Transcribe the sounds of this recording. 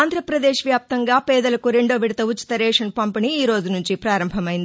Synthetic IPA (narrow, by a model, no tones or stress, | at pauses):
aːnd̪ɾɐpɾɐd̪eːʂʋjaːp̚t̪ɐŋɡaːpɛːd̪ɐlɐkuɾe̞ɳɖo̞ːʋiɽɐt̪ɐut͡ʃːi̥t̪ɐɾɛːʂɐnpɐmpɐniiːɾo̞ːd͡ʒunuɲt͡ʃipɾaːɾɐmbʱɐmɐjind̪ii